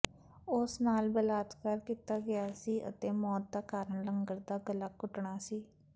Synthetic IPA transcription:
ʊsnaːlbəlaːt̪kəɾkiːt̪aːɡɪaːsiːʔə̰t̪eːmɔːt̪̚d̪aːkaːɾəɳləŋɡəɾd̪aːɡəlaːkʊʈɳaːsiː

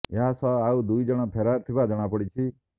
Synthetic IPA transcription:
eɦãsɔaud̪uid͡ʒəɽ̃ɔ̃pʰeɾat̪ʰibad͡ʒəɽ̃ãpəɽit͡ʃʰi

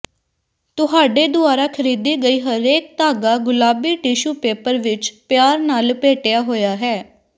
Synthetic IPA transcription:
t̪ʊɦaːɖeːd̪ʊaːɾaːkʰəɾiːd̪iːɡəiːɦəɾeːk̚t̪aːɡaːɡʊlaːbiːʈiːʃuːpeːpəɾʋɪt͡ʃpɪjaːɾnaːlpeːʈejaːɦoːjaːɦɛː

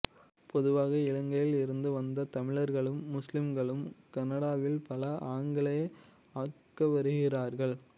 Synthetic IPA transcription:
pɔðɯʋaːɣɐɪɭɐŋɡɐjɪlɪɾɯnd̪ɯʋɐnd̪ɐt̪ɐmɪɭɐɾɣɐɭɯmːʊslɪmɡɐɭɯmkɐnɐɽaːʋɪlpɐlɐʔaːŋɡɐɭɐ | aːkːɐʋɐɾɯɣɪraːɾɣɐɭ

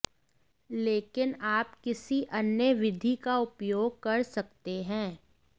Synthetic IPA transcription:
leːkɪnaːpkɪsiʔɐnjəʋɪd̪ʱikaʊpjoːɡ̚kɐɾsɐkt̪eɦɛ̃ː

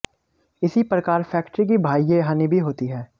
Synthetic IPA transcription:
ɪsipɾəkaːɾfʰɛːkʈɾik̬ibʱaːieɦaːnibʱiɦoːt̪iɦɛː

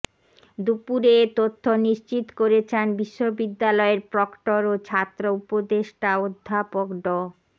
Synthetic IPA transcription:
d̪upuɾet̪ot̪ʰːoniʃt͡ɕit̪koɾet͡ɕʰenbiʃːobid̪ːalɔeɾpɾɔkʈoɾot͡ɕʰat̪ːɾoupod̪eʃʈaod̪ʱːapokɖɔ

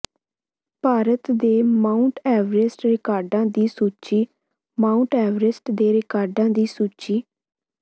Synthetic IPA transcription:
paːɾət̪d̪eːmaːʊɳʈɛːʋɾɪsʈɾɪkaːɾɖãːd̪iːsuːt͡ʃiː | mãːʊɳʈɛːʋɾɪsʈd̪eːɾɪkaːɾɖãːd̪iːsuːt͡ʃiː

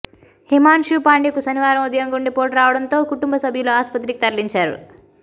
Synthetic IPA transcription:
himaːnʃupaːɳɖikusɐniʋaːɾɐmud̪ɐjɐŋɡoɳɖipoːʈɾaːʋɐɽɐnt̪o̞ːkuʈumbɐsɐbʱjuloːaːspɐt̪ɾikit̪ɐɾliɲt͡ʃaːɾṵ

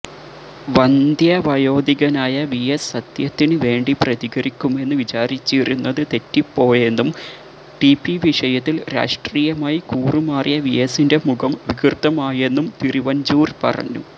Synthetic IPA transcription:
ʋɐnd̪ʱjɐʋɐjo̞ːd̪iɣɐnaːjɐʋijɐsːɐt̪jɐt̪ːinɨʋe̞ːɳɖiprɐðiɣɐɾikʲːume̞nːɨʋit͡ɕaːɾit͡ɕːirunːɐðɨt̪e̞tːipːo̞ːje̞nːum | ʈipːiʋiʂɐjɐt̪ːilɾa̰ːʂʈriːjɐmaːjikuːrumaːrjɐʋijɐsinde̞muɣɐmʋiɡirt̪ːɐmaːje̞nːumt̪iriʋɐɲd͡ʑuːrpɐ̰rɐ̰ɲːṵ

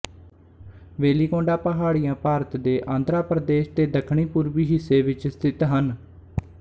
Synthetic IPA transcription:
ʋeːliːkõːɳɖaːpəɦaːɽijãːpaːɾət̪d̪eːʔãːnd̪ɾaːpɾəd̪eːʃt̪eːd̪əkʰɳ̃iːpuːɾʋiːɦɪsːeːʋɪt͡ʃst̪ʰɪt̪ɦən

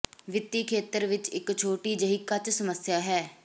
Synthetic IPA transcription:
ʋɪt̪ːiːkʰeːt̪əɾʋɪt͡ʃɪkt͡ʃʰoːʈiːd͡ʒəɦikat͡ʃsəməsjaːɦɛː

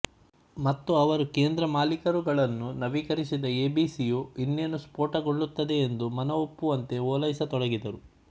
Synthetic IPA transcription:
mɐt̪ːuɐʋɐɾukeːnd̪ɾɐmaːlikɐɾuɡɐɭɐnːunɐʋikɐɾisid̪ɐeːbiːsijoinːenuspoːʈɐɡoɭːut̪ːɐd̪e̞ːnd̪umɐnɐopːuʋɐnt̪e̞oːlɐjisɐt̪ɔɽɐɡid̪ɐɾu

